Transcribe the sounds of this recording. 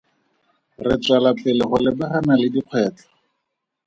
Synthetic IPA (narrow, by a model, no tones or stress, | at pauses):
rɪt͡salapʼɪlɪχʊlɪbɛχanalɪdiq͡χʰwɛːt͡ɬḁ